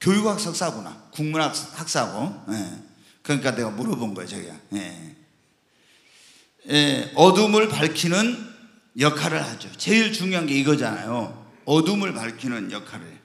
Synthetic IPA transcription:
kjojukhak̚s͈ʌk̚s͈aɡona̰kuŋmunakhak̚s͈aɡoje | kɯɾʌɲik͈ane̞ɡamuɾʌbonɡʌjot͡ɕʌɡiɡa̰je̞̰ | jeʌdumɯɭpaɭkʰinɯn | jʌkʰaɾɯɭhad͡ʑot͡ɕeiɭt͡ɕuŋjoɦanɡe̞iɡʌd͡ʑana̰jo | ʌdumɯɭpaɭkʰinɯnjʌkʰaɾɯ̰ɭ

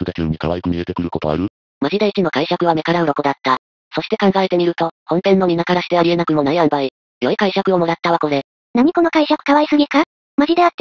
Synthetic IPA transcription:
sɯd̪akʲɯːɲ̟ikaβ̞aikɯ̟mid̪e̞t̪ekɯ̟ɾɯ̟ko̞t̪oa̰ɾɯ̟ | mad͡ʑid̪eit͡ɕino̞kaiɕakɯ̟β̞ame̞kaɾaɯ̟ɾo̞kod̪at̪ːa | so̞ɕi̥t̪e̞kãŋɡaet̪e̞mʲiɾɯ̟t̪o̞hõ̞mpẽ̞nːo̞mʲinakaɾaɕi̥t̪e̞aɾie̞nakɯ̟mo̞naiãmbai | jo̞ikaiɕakɯ̟o̞mo̞ɾat̪ːaβako̞d̪e̞ | naɲ̟iko̞no̞kaiɕakɯ̟̥kaβaisɨɡʲika | mad͡ʑid̪e̞at̪ː

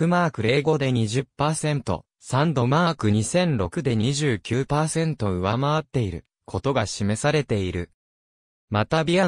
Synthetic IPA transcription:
ɯ̟maːkɯ̟ɾe̞ːɡo̞d̪e̞ɲ̟iʑɨpːaːsẽ̞nt̪o̞̰ | sãnd̪o̞maːkɯ̟ɲ̟isẽ̞nɾo̞kɯ̟d̪e̞ɲ̟iʑɨːkʲɨːpaːsẽ̞nt̪o̞ɯ̟βamaβat̪ːe̞iɾɯ̟̰ | kʰo̞t̪o̞ɡaɕime̞saɾe̞t̪e̞iɾɯ̟̰ | mat̪abʲia

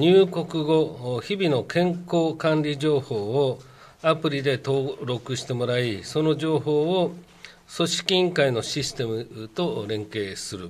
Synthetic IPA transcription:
ɲɨːko̞kɯ̟ɡo̞çibʲino̞kʰẽ̞ŋkoːkãnɾʲiʑo̞ːho̞ːo | apɯ̟ɾʲid̪e̞t̪o̞ːɾo̞kɯ̟ɕi̥t̪e̞mo̞ɾaiso̞no̞ʑo̞ːɦo̞ːo | so̞ɕi̥kʲĩŋkaino̞ɕisɨ̥t̪e̞mɯ̟t̪o̞ɾẽ̞ŋke̞ːsɨɾɯ̟

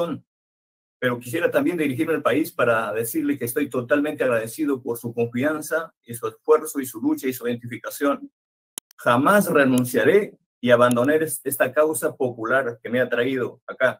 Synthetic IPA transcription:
on | pe̞ɾo̞ki̥s̬je̞ɾat̪ambje̞nd̪iɾixiɾmealpaispaɾaðe̞siɾle̞keːst̪o̞jt̪o̞t̪almẽnt̪eaɣɾað̞e̞sið̞o̞po̞ɾsuko̞ɱfiansa | isue̞sfwe̞ɾso̞isulut͡ʃaisuðent̪ifikasjo̞n | xamasrenũnsjaɾe̞ | iaβand̪o̞neɾest̪akawsapo̞pulaɾkemeeaat̪ɾaið̞o̞aka

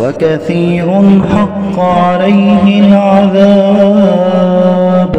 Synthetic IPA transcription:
wakaθiːɾʊnħɑqːʕalajɦɪlʕaðaː | b

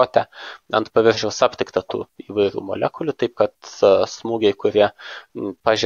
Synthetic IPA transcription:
oːt̪ʲɛɐnt̪pɐʋʲɪɾʲʒʲɛʊsɑːpʲt̪ʲɪkt̪ɐt̪ṵːiːʋɐɪɾʲṵːmo̰ːlʲɛkʊlʲʊt̪ɐɪpkɐt̪smuːɡʲɛɪkʊɾʲiɛ | pɑːʒʲ

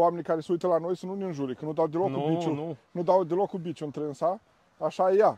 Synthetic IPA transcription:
oamenʲikaɾeseujt̪əlano̞jsənuneɨnʒuɾekənud̪awd̪elokubit͡ʃunud̪awd̪elokːubit͡ʃuɨnt̪ɾensa | aʃajeja

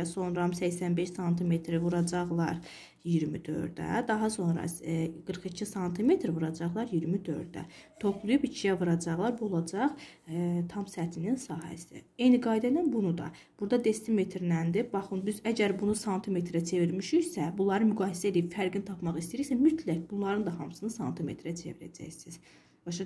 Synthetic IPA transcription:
so̞nɾɑmsæçsænbeʃsɑnt̪ʰime̞t̪ʰɾvuɾɑd͡ʒɑʁlˠɑɾ | jiɾmid̪ø̞̰ɾd̪æ̰d̪ɑɦɑso̞nɾɑ̰ɡ̥ɯɾχicʰisɑnt̪ʰime̞t̪ʰɾvɯɾɑd͡ʒɑʁlˠɑɾjiɾmid̪ø̞̰ɾd̪æ̰t̪ʰo̞pʰlˠujupicʰijævɯɾɑd͡ʒɑʁlˠɑɾbuolˠɑd͡ʒɑʁ | t̪ʰɑmsæt̪ʰininsɑːɦæ̰sḭejniɡɑːjd̪æd̪ænbunud̪ɑ̰ | b̥uɾd̪ɑd̪e̞st̪ime̞t̪ʰɾnænd̪ibɑχɯnbizæɟæɾbunusɑnt̪ʰime̞t̪ʰɾæt͡ʃʰe̞viɾmiʃyjsæbunlˠɑɾɯnmyɡɑːhisæelʲiibfæɾɡint̪ʰɑpmɑχist̪iɾiçʲsæmyt̪ʰlæcbunlˠɑɾɯnd̪ɑɦɑmsɯnɯsɑnt̪ʰime̞̰t̪ʰɾæt͡ʃʰe̞̰viɾæ̰d͡ʒæ̰jsiz̥ | bɑʃ

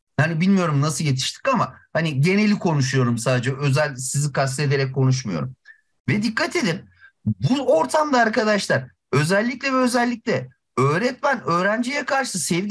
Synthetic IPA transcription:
hanibilʲmijo̞ɾumnasɯlˠje̞t̪ʰi̥ʃt̪ʰi̥kamahaniɟe̞ne̞lʲikʰo̞nuʃ̬ujo̞ɾumsaːd̪ed͡ʒɛøzælʲsizikʰas̬t̪ʰed̪e̞ɾɛc̚kʰːo̞nuʃ̬mujo̞̰ɾum | vɛd̪ikʰːat̪ʰe̞d̪in | buo̞ɾt̪ʰamd̪aːɾkad̪aʃlˠaɾ | ø̞zɛlʲːiclʲɛvɛøzɛlʲːic̚lʲɛ | ø̞ːɾɛt̪mænø̞ːɾænd͡ʒijɛkʰaɾʃɯsɛv

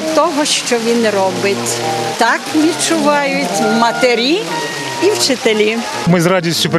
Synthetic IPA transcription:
t̪ɔɦɔʃt͡ʃɔʋʲinrɔbɪtʲ | t̪ɑkʋʲidt͡ʃʊʋɑjʊtʲwmɐt̪eɾʲi | iwt͡ʃɪt̪elʲi | mɪzradʲisʲtʲʊp

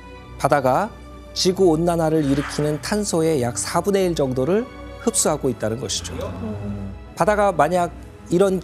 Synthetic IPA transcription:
padaɡa | t͡ɕiɡuonːanaɾɯɾiɾɯkʰinɯntʰansʰoe̞jak̚sʰabune̞iɭd͡ʑʌŋdoɾɯɭ | hɯp̚s͈uɦaɡoit̚t͈anɯnɡʌɕʰi̥d͡ʑo | padaɡamaɲaɡ̚ | iɾʌn

